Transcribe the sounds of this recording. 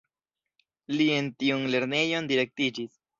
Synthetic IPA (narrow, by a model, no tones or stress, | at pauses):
lientiunle̞ɾne̞jo̞ndiɾe̞k̚tid͡ʒis